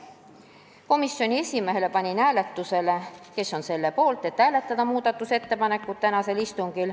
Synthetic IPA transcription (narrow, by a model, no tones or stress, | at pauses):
ko̞misːjo̞nʲie̞sʲime̞ɦe̞le̞pɑnʲinæːle̞t̪ːuse̞le̞ke̞sːo̞nse̞lːe̞po̞ːlt̪ˑe̞t̪ːæːle̞t̪ːˑɑd̪ɑmuːd̪̥ɑt̪ːˑuse̞t̪ːe̞pɑne̞kːˑut̪t̪ænɑse̞list̪uŋɡ̥il